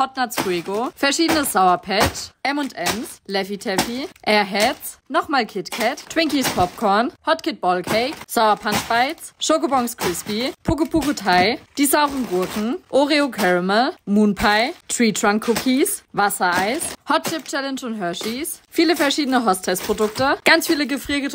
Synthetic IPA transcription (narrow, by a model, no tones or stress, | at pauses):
hɔt̚nat͡sfʁiːɡofɛɐʃiːdənəsz̥aʊɐpʰɛtʔɛmʊntʔɛmslɛvitʰɛfiʔɛːɐɦɛt͡snɔχmaːlkʰɪtkʰɛttw̥ɪŋkispʰɔp̚kʰɔɐnhɔtkʰɪt̚b̥ɔlkʰɛɪkz̥aʊɐpʰantb̥aɪt͡sʃokobɔŋskʁ̥ɪspipʰʊkəpʰukotʰaɪd̥izaʊʁn̩ɡʊɐknŋ̩ʔoʁeokʰɛʁəməmuːnpʰaɪtʁ̥iːtʁ̥aŋkʰːʊkʰisvasɐʔaɪshɔtʃɪp̚t͡ʃɛlɛnʃʊntɦœɐʃisfiːləfɛɐʃiːdənəɦɔstʰɛst̚pʁ̥odʊktəɡ̥ant͡sfiːləɡəfʁ̥iːɡə